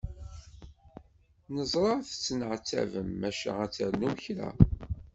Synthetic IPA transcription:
nəzˤɾˤɑθə̥t͡sːnəʕt͡sːæ̰vəmːæʃæ̰æt͡sːəɾnuçɾa̰

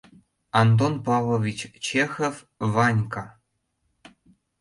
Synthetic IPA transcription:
ɑnt̪̬onpɑvovʲit͡ɕt͡ɕexof | vɑnʲkɑ

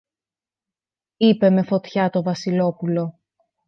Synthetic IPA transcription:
ipe̞me̞fo̞t̪çɐt̪o̞vɐsilo̞pulo̞

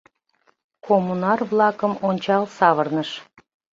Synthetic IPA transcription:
kʰomːunɑrβlˠɑkəmonʲt͡ɕɑlsɑβərnəʃ

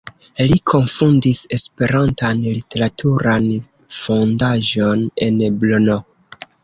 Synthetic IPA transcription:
likʰo̞nfundise̞spe̞ɾantanlite̞ɾatʰuɾan | fo̞ndaʒo̞ne̞nblono

